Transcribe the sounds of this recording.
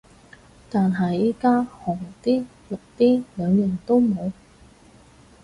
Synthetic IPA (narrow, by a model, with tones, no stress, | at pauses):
t̪aː˨nɦɐ˨jiː˥kaː˥hɔː˨˩ŋt̪iː˥ | lʊ˨k̚t̪iː˥lœː˨˧ŋjœː˨˩ŋt̪o˥wmo˨˧w